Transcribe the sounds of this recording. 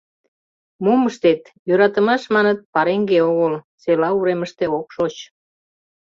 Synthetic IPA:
muməʃt̪et̪ | jøɾɑt̪ə̆mɑʃmɑnət̪̚pɑɾeŋɡeoɣəl | t͡selɑuɾeməʃt̪eokʃot͡ɕ

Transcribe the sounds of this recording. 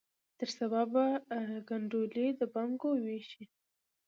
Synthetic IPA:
t̪əɾsababaɡaɳɖoled̪əbaŋɡoweʃi

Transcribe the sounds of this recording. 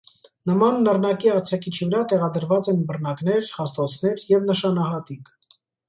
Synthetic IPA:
nəmɑnːərnɑkiɑɾt͡sʰɑkʰit͡ʃʰivəɾɑt̪ɛʁɑd̪əɾvɑt͡sɛnbərnɑknɛɾhɑst̪ɔt͡sʰnɛɾjɛvnəʃɑnɑɦɑt̪ik

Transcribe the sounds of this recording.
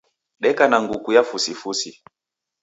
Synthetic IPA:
ɗɛkanaŋɡukujafusifusi

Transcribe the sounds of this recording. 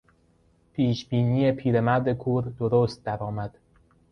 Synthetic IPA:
pʰiːʃbiːniːepʰiːɾemæɾd̪ekʰuːɾd̪oɾoːst̪̚d̪æɾɒːmæd̪̥

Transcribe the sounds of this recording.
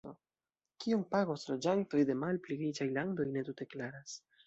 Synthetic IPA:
o | kiompaɡo̞slo̞d͡ʒanto̞jde̞malpliɡɾit͡ʃajlando̞jne̞t̬ute̞klaɾas

